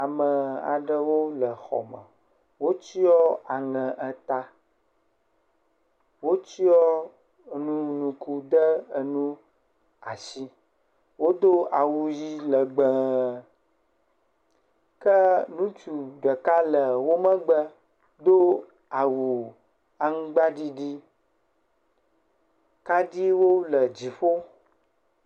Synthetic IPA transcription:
a˨mə˨a̰˨ɖə˦wo˦lə˨xɔ̰˨mə̰̃˨ | wo˦t͡ʃi˦ɔ˦a˨ŋɛ̃˨ʔə˦t̪a˦ | wo˦t͡ʃi˦ɔ˦ | nũ˦nũ˨ku˦d̪ə˦ə˦nũ˦ | a˨si˦ | wo˦d̪o˦a˨wu˨ji˦lə˨ɡ͡bɛ˨ | kə˦nũ˦t͡ʃu˨ɖə˨ka˦lə˨wo˦mə̃˦ɡ͡bə˦ | d̪o˦ | a˨wu˨ | a˦ŋ̩˦ɡ͡ba˦ɖi˦ɖi˦ | ka˦ɖi˦wo˦lə˨d͡ʑi˨ɸo˦

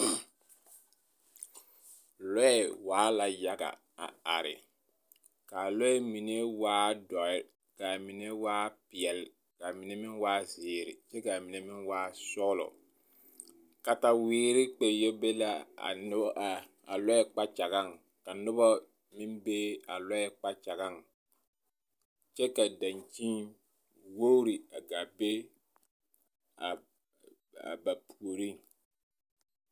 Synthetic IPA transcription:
lɔ˦ɛ˨waː˨˦la˨ja˦ɡa̰˨ | a̰˨a̰˨ɾɪ̰˨ | ka˨lɔ˦ɛ˦mi˨ne˦waː˦dɔ˨ɪ˦ | ka˨mi˨ne˦waː˦pɪ˨ɛ˨l | ka˨mi˨ne˦mɪ˦nwaː˦zɪː˨ɾɪ˨t͡ʃɛ˦ka˨mi˨ne˦mɪ˦nwaː˦sɔ˦lɔ̰˨ | ka˦ta˦wiː˦ɾɪ˦k͡pe˨jo˦be˦la˦a̰˨nʊ˦bʔa˨ | a˨lɔ˦jɛ˦k͡pa˦t͡ʃa˨ɣa˦˨ŋ | ka˨nʊ˦bɔ˦ | mɪ˦nbe˦a˨lɔ˦ɛ˦k͡pa˦t͡ʃa˨ɣa˦˨ŋ | t͡ʃɛ˦ka˨da˨nt͡ʃi˦n | wo˦ɾi˨a˨ɡa˨be˦ | a˨ | a̰˨ba˨pʰu˨o˨ɾi˦ŋ

